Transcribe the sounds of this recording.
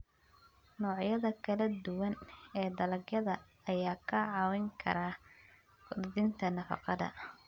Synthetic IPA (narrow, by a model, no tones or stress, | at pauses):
nɔːʕjɐðɐkʰɐlɐd̪ʊwɐnɛːd̪ɐlɐɡjɐðɐ | ɐjaːkʰɐʕɑːwɪŋkʰɐ̰ɾaː | kʊd̪ðɪnt̪ʰɐnɐfɑ̰qɑðɐ̰